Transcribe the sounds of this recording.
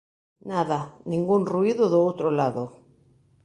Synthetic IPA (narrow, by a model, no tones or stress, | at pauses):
naðanĩŋɡunruiðʊðʊowt̪ɾolaðo